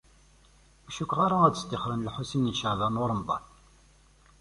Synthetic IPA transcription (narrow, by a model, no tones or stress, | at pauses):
æʃukːʁaɾaæd̪əst̪iχɾənlħusiniʃəʕðænʊɾˤəmd̪ˤɑ̰n